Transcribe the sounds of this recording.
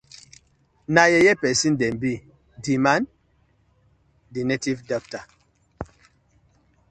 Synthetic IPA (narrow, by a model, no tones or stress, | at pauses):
najɛjɛpɛsindɛmbi | diman | dinɛtivdɔk̚ta